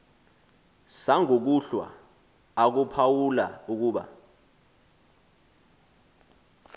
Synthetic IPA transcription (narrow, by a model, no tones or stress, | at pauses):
saŋʱok̬uɬwa̰ː | k̬upʰawula̰uk̬uːɓa̰